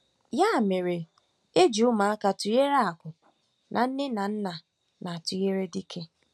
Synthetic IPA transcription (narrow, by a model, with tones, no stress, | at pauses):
ja˦˨me˨ɾe˨ | e˦d͡ʒu˨ʊ˦ma˨a˦ka˨tu˨je˦ɾe˦a˨kʷʊ˨ | nʔa˨n̩˦ne˦na˨n̩˦na˨ | na˨tu˨je˦ɾe˦di˦kʰe˦